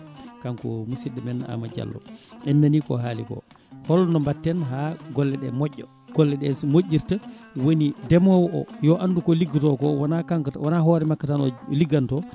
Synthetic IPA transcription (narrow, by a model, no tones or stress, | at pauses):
kankɔ̰musiɗɛmɛnːa̰mad͡ʒa̰lːɔ̰ɛnːanikɔ̰ɦaːlḭkɔ̰ | hɔlːɔnɔmbatːɛnɦaɡɔlːɛɗɛmɔʔːɔ | ɡ̥ɔlːɛɗɛsmoʔːiɾtawonidɛmɔwɔʔɔ̰jɔʔandukɔliɡutɔkɔwanakaŋkatawanaɦɔːɾɛmakːatanɔ̰liɡantɔ